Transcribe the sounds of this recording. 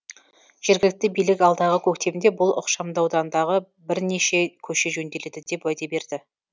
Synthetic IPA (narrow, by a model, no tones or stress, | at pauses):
ʒ̥e̞ɾɡʲɪlɪk̚t̪ɪbijlɪkɑlˠd̪ɑʁəkʲʰɵkt̪e̞bɪnd̪e̞bʊlˠʊ̰qʃɑmd̪ɑwd̪ɑnd̪ɑʁə | bɪɾne̞ʃe̞kʲʰɵʃe̞ʒɵnd̪e̞le̞d̪ɪd̪e̞pwæjd̪ebe̞ɾd̪ɪ